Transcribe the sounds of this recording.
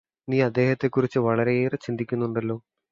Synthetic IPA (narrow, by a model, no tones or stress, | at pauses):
niːɐd̪ːe̞ːhɐt̪ːe̞kːurit͡ɕːɨʋɐɭɐɾe̞eːrt͡ɕind̪ʱikʲːunːuɳɖɐlːo̞ː